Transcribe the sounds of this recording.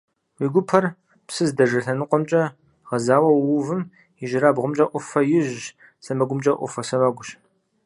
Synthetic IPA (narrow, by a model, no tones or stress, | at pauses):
wiːɡʷʊpʰɐr | psɨzdɐʒɐɬɐnɨqʷɔmt͡ʃʼɐ | ʁɐzaːwɐwwʊvɨm | iʒɪɾabʁʷʊmt͡ʃʼɐʔʷʊfɐjɪʒ | sɐmɐɡʷʊmt͡ʃʼɐʔʷʊ̰fɐsɐmɐɡʷʊɕ